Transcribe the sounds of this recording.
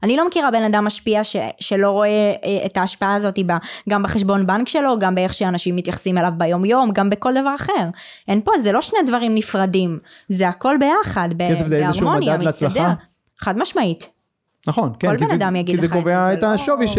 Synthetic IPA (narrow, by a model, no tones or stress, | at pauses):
anilo̞mekiʁabe̞nad̪amːaʃpiaʃeʃelo̞ʁo̞eːtaːʃpaaːzo̞t̪ibaɡambaχeʃbo̞nbankʃe̞lo̞ɡambeeχʃeaːnaʃimːit̪jaχsimelavbajo̞mjo̞mɡambeko̞ld̪avaʁaχe̞ʁʔenpo̞zelo̞ʃnedvaʁimnifʁadim | zeako̞lbe̞jaχad̪bekesefzeeazeʁʃumomnjdamleat͡sllaχda | eχad̪maʃmait̪ | naχo̞nkolbend̪amjaɡid̪izeoveaetaʃoviʃ